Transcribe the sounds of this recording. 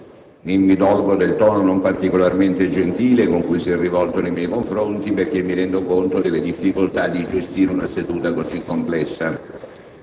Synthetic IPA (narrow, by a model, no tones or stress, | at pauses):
nimːid̪ɔlbod̪elt̪ɔːnonompart̪ikolarment̪ed͡ʒent̪iːlekoŋkujsiɛrːivɔlt̪onejmjɛjkoɱfɾont̪iperk̟emːiɾɛnd̪okont̪od̪elːed̪ifːikolt̪ad̪ːid͡ʒest̪iːɾeunased̪uːt̪akozikːomplɛsːa